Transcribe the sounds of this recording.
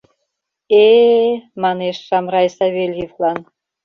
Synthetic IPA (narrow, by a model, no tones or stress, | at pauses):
e | mɑneʃʃɑmrɑjsɑβʲelʲjivlˠɑn